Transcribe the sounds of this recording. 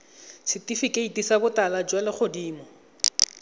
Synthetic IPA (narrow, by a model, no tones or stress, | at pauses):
sɪtifikʼeitisabʊtalad͡ʒwalɪχʊdiːmɔ